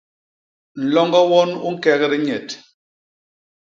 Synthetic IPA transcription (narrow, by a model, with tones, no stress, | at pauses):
n̩˨lɔ˦ŋɡɔ˦wɔ˦nu˦ŋ̩˦kɛ˦ɣɛ˦ɾi˦ɲɛ˨t